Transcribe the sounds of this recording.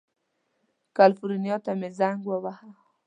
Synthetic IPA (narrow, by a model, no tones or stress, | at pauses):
kalfuɾinjot̪amezaŋɡwawaha